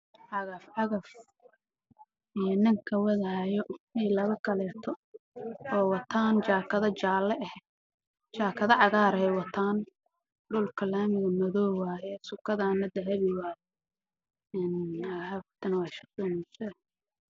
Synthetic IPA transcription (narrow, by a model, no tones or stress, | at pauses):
ʕɑɣɐfʕɑɣɐf | ijɔnɪŋkʰɐwɛðɐhjɔɛjlɐβɐkʰɐlɛːt̪ʰɔ | ɔːwɑt̪ʰaːnt͡ʃaːkʰɐðɐt͡ʃaːlɛʔɛh | t͡ʃaːkʰɐðɐʕɑɣaːɾɛjwɑt̪ʰaːn | ɖʊlkʰɐlaːmɪɣɐmɐðɔːwaːjɛsʊkʰːɐðaːnːɐd̪ɐɦɐβɪwaːj | ɛːnahakt̪ʰɐnɐwɑːʃɐt̪ɔːnɪsɛ